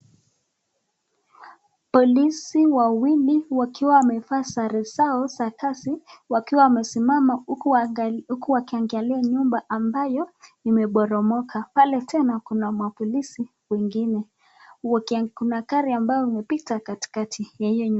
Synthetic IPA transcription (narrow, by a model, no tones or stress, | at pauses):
pɔlisiwawiliwakiwawamɛfaːsaɾɛsaɔsakasiwakiwawamɛsimama | ukuwakiaŋɡaliaɲumbaʔambajɔimɛɓɔɾɔmɔkʰapalɛtʰɛnakunamwapɔlisi | wɛŋɡinɛ | kunakaɾiambajɔimɛpitakati̥katʰijahijɔɲu